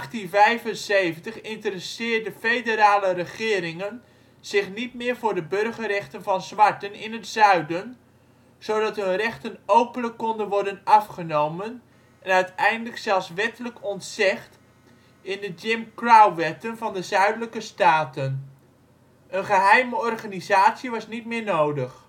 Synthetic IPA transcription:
ɑχtinvɛjvənsejvəntəχɪntərəsɪːɹdəfejdəɾaːlərəχɪːɾɪŋən | z̥ɪχnit̚mɪːɹvʊːɹdəbɵrχərɛχtənvɑnzʋɑɹtənɪnətsœɥdən | z̥owdɑtɦɵnrɛχtənowpənləkːɔndənʋɔɹdənɑfχənowmən | ɛnœɥtɛjndələksɛlˠsʋɛtələkɔntsɪχt | ɪndəd͡ʒɪmkrawʋɛtənvɑndəzœɥdələkəstaːtən | ənχəɦɛjməɔrχaːnizaːtsiʋɑsnitmɪːɹnowdəχ

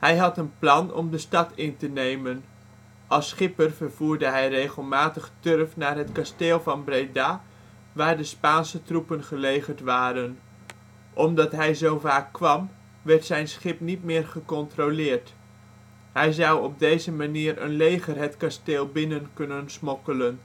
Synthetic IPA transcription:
hɛjɦɑtənplɑnɔ̰mdəstɑtɪntənejmən | ʔɑlˠsχɪpərvərv̥uːɹdəɦɛjrejχəlˠmaːtəχtørəfnaːrɦətkasteːlˠvɑnbrejda | ʋaːɹdəspaːnsətrupənχəlejχəɹtʋaːɾən | ʔɔmdɑtɦɛjzowvaːkːʋɑm | ʋɛɹtsɛjnsχɪpnitmɪːrχəkɔntrolɪːɹt | ɦɛjzʌwɔb̚dejzəmaniːrə̰nlejχərɦətkasteːlˠbɪnənkɵnənsmɔkələn

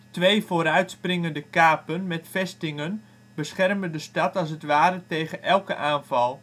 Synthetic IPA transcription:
tʋejvoːɾœɥtsprɪŋəndəkaːpənmɛtfɛstɪŋən | bəsχɛrməndəstɑtɑlˠs̬ətʋaːɾətejɣəʔɛlˠkəʔaːnvɑlˠ

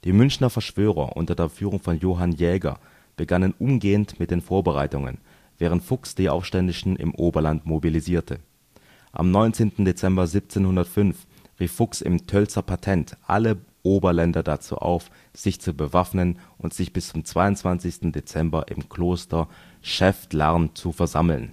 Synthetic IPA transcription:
d̥iːmʏnçnɐfɛɐʃv̥øːʁɐ̰ʔʊ̰ntɐdeːɐfyːʁʊŋfɔnjoːɦanjɛːɡɐ̰ | b̥əɡanənʔʊmɡeːəntmɪt̚d̥eːnfoːɐbəʁa̰ɪtʊŋə̰n | vɛːʁ̞əntfʊksd̥iːʔa̰ʊfʃtɛndɪʃn̩ʔɪ̰mʔoːbɐlantmobiliziːɐtʰə | ʔa̰mnɔʏnt͡seːntn̩det͡sɛmbɐzip̚t͡seːnhʊndɐtfʏnf | ʁiːfːʊksɪ̰mtʰœlt͡sɐpʰatʰɛntʔa̰ləʔoːbɐlɛndɐdat͡sṵːʔa̰ʊf | z̥ɪçt͡subəvafnənʔʊntz̥ɪçb̥ɪst͡sʊmt͡sv̥aɪʊntt͡sv̥ant͡sɪçstn̩det͡sɛmbɐʔɪ̰mkʰl̥oːstɐʃɛftlaɐnt͡sufɛɐzaml̩n

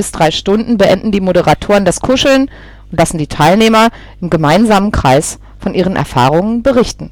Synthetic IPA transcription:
ɪsd̥ʁaɪʃtʊndn̩bəʔɛ̰ndn̩diːmoɾəʁatʰoːʁəndaskʰʊʃl̩n | ʊntlasn̩diːtʰaɪlneːmɐ | ʔɪmɡəmaɪnzaːmənkʁ̥aɪs | fɔnʔiːʁ̞ənʔɛ̰ɐfa̰ːʁʊŋənbəʁɪçtn̩

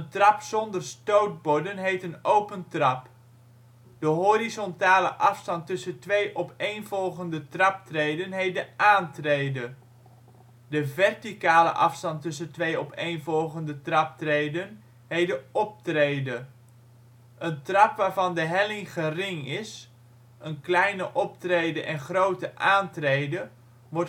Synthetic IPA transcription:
əntrɑpsɔndərstowt̚bɔdənɦejtənowpəntrɑp | d̥əɦorizɔntaːləʔɑfstɑntɵsəntʋejʔɔpejnvɔlˠχəndətrɑp̚trejdənɦejt̚dəʔaːntrejdə | dəvɛrtikaːlə̰ʔɑfstɑntɵsəntʋejɔpejnvɔlˠχəndətrɑp̚trejdən | ɦejdəɔp̚trejdə | ʔəntrɑpʋaːɹvɑndəɦɛlɪŋχərɪŋɪs | ənklɛjnəʔɔp̚trejdəʔɛnχrowtəʔaːntrejdə | ʋɔr

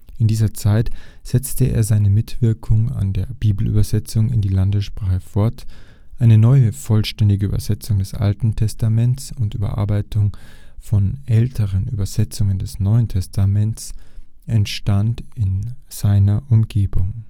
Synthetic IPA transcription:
ʔɪndiːzɐt͡saɪtz̥ɛt͡stəʔḛːɐzaɪnəmɪtv̥ɪɐkʰʊŋa̰ndeːɐb̥iːbl̩ʔy̰ːbɐzɛt͡sʊŋɪ̰ndiːlandəsʃpʁ̥aːχəfɔɐt | ʔaɪnənɔʏəfɔlʃtɛndɪɡəyːbɐzɛt͡sʊŋdɛsʔa̰ltn̩tʰɛstamɛntsʊntʔy̰ːbɐ̰ʔa̰ɐbaɪtʰʊŋfɔnʔɛltʰəʁənʔy̰ːbɐz̥ɛt͡sʊŋəndɛsnɔʏəntʰɛstʰamɛntsʔɛntʃtantɪnz̥aɪnɐʔʊmɡ̥eːbʊŋ

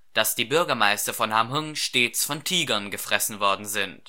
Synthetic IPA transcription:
d̥asd̥iːbʏɐɡɐmaɪstɐfɔnhamɦʊŋʃteːt͡sfɔntʰiːɡɐnɡəfʁ̥ɛsn̩vɔɐdn̩zɪnt

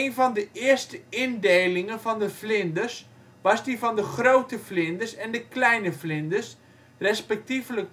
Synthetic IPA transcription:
ejnfɑndəɪərstəɪndejlɪŋənfɑndəflɪndərs | ʋɑsdifɔndəχrowtəflɪndərsɛndəklɛjnəflɪndəs | rɛspɛk̚tivlək̚

